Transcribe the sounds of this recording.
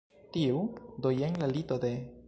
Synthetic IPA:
tiud̪ojenlalitode̞

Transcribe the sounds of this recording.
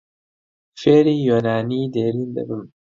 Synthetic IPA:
feːɾiːjonaːniːd̪eːɾiːnd̪ɐ̰bɨm

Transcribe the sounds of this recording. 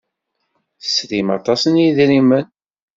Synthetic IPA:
θə̥sɾimɑ̰t̪ˤɑsənjiðɾimən

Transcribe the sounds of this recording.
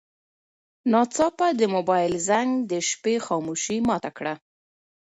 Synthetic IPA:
nɑt͡sɑpad̪əmobɑjɪlzaŋɡd̪əʃpexɑmuʃimɑt̪akɽa

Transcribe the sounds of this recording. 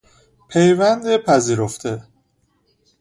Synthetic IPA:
pʰejvænd̪epʰæziːɾoft̪ʰe

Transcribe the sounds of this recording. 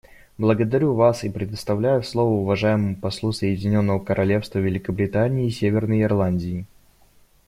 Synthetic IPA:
blˠəɡəd̪ɐɾʲuvasipɾʲɪd̪əst̪ɐvlʲæjʊfslˠo̞vəʊvɐʐajɪməmʊpɐslˠusəjɪdʲɪnʲo̞nːəvəkəɾʔɐlʲe̞fst̪vəvʲɪlʲɪkəbɾʲɪt̪anʲɪːsʲevʲɪrnəjɪrlˠanʲdʲɪɪ

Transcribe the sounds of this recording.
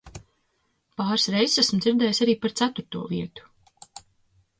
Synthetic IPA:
paːɾsɾejzsæsm̩d̪ziɾd̪ɛːjsaɾiːpaɾt̪sæt̪uɾt̪uɔviɛt̪u̥

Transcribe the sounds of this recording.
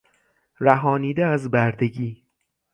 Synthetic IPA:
ɾæɦɒːniːd̪eæzbæɾd̪e̞ɡiː

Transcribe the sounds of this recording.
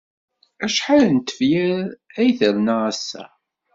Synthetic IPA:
æʃħalənt̪ə̥vjæɾæjθəɾnaʁæsːæ̰

